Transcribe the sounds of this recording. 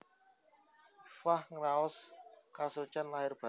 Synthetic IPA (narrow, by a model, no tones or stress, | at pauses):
fahŋɾaɔskasut͡ʃanlaɦɪrb̥a